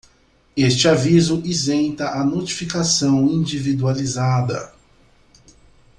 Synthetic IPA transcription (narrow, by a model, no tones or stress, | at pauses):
est͡ʃɪavizʊʔizẽnt̪ɐʔanot͡ʃifikasɐ̃w̃ĩd͡ʒivid̪ualizad̪ɐ̰